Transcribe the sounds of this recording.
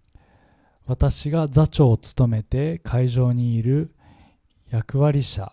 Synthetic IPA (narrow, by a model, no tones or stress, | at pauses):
βat̪aɕiɡad͡zat͡ɕo̞ːt͡sɨ̥t̪o̞me̞t̪e̞kʰaiʑo̞ːɲ̟iːɾɯ̟ | jakɯ̟βaɾʲiɕa̰